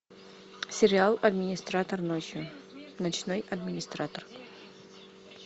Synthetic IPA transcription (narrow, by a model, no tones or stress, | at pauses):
sʲɪɾʲɪalˠɐd̪mʲɪnʲɪst̪ɾat̪ərnot͡ɕjʊnɐt͡ɕnojɐd̪mʲɪnʲɪst̪ɾat̪ər